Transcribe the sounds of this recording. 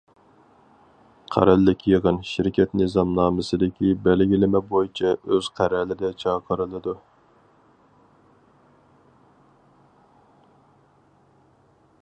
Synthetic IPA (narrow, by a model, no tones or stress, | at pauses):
qʰæ̰ɾɛlːɪkʲʰjəʁənʃɪɾɪkʲʰɛt̪nɨzɑmnɑːmɨsɨd̪ɪkʲʰibɛlɡʲilɪmɛbojit͡ʃʰɛøz̥qʰæɾɛlɪd̪ɛt͡ʃʰɑːqʰəɾɨlˠɨd̪u